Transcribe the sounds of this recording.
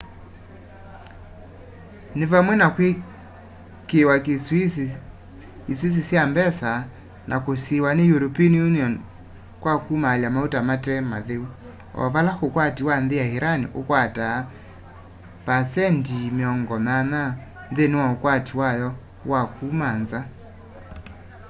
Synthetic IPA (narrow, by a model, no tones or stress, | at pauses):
nevamwɛnakwe | kewak | iswis̬isjambɛsa | nʔakosiwanejuɾɔpinijuniɔn | kwakumaljamautamatɛmaðeu | ɔ̰valaxokwatiwanðejahiɾanḭʔokwata | pasɛndimeɔŋɡɔmana | nðenewaokwatiwajɔ | wakumanza